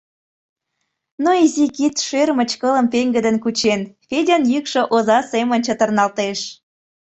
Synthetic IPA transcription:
noizikit̪ʃermət͡ɕkələmpeŋɡəd̪ənkut͡ɕenfedʲɑnjykʃə̆ʔozɑsemənʲt͡ɕət̪ərnɑlt̪eʃ

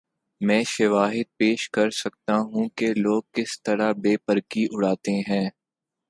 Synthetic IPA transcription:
mɛ̃ːʃɐʋaːɦɪd̪̚peːʃkɐɾsɐk̚t̪aɦũkeloːɡ̚kɪst̪ɐɾabeːpəɾkiʔʊɽaːt̪eɦɛ̃ː

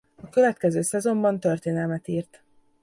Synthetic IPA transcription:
ɒkøvɛt̪kɛzøːsɛzo̞mbɒnt̪ø̞rt̪eːnɛlmɛt̪iːrt̪

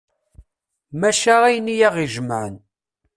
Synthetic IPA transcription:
mæʃaʁæjənːijaʁiʒəmʕən

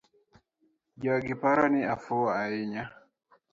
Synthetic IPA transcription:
ɟaɡipaɾaniafɔaiɲa

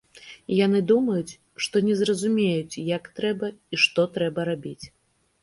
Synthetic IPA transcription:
janɨd̪umɐjut͡sʲ | ʂt̪ɔnʲɛzrɐzumʲejut͡sʲjakt̪ɾɛbɐiʂt̪ɔt̪ɾɛbɐɾabʲit͡sʲ

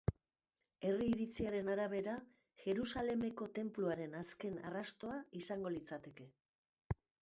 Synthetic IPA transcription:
e̞riːɾit͡siaɾe̞naɾaβ̞e̞ɾa | ʝe̞ɾusale̞me̞ko̞t̪e̞mpluaɾe̞naske̞na̰rast̪o̞aisaŋɡo̞lit͡sat̪e̞ke̞

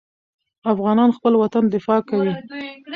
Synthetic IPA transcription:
afɣɑnɑnxpəlwat̪and̪ɪfɑkawi

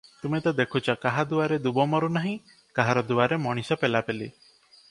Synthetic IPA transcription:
t̪umet̪ad̪ekʰut͡ʃakaɦad̪uaɾed̪ubɔmɔɾunaɦĩ | kaɦaɾɔd̪uaɾemɔɽ̃isɔpelapeli

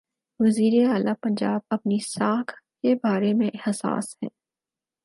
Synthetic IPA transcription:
ʋɐziːɾeaːlapɐ̃ɲd͡ʒaːb̚ɐpnisaːkʰkebaːɾemẽʔɛhsa̰ːsɦɛ̰̃ː

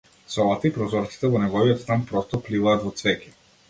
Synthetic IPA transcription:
sɔlˠat̪aipɾɔzɔɾt̪si̥t̪ɛvɔnɛɡɔviɔt̪st̪anpɾɔst̪ɔplivaːt̪vɔt̪svɛki̥

